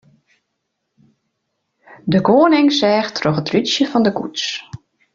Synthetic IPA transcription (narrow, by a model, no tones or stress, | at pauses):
dəɡoːənɪŋsɛːxtʰroxətrysjəfɔndəkṵts